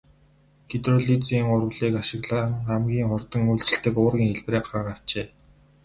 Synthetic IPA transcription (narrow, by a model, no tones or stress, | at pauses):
ɡit̪rʊɮit͡siːŋʊrwɮiːkaʃɪ̆ɣɮaːŋamɡʲiːŋχʊrt̪ə̆ŋujɮt͡ɕɪ̆ɬt̪ɘ̆kʊːrɣʲiːŋxeɮpreːɢaɾaʁaːw̥t͡ɕeː